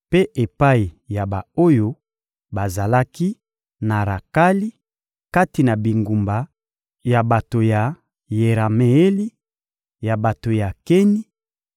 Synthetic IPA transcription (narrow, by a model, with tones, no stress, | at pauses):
pe˦ʔe˨pa˦i˨ja˨ba˨o˦jo˦ | ba˨za˨la˦ki˦ | na˨ɾa̰˨ka˦li˦ | ka˦ti˨na˨bi˨ŋɡu˨mba˨ | ja˨ba˨to˨ja˨ | je˨ʁa˨me˨e˦li˦ | ja˨ba˨to˨ja˨ke˦ni˦